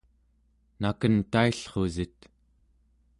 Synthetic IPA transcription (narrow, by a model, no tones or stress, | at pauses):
nakənt̪aiɬχo̞zit̪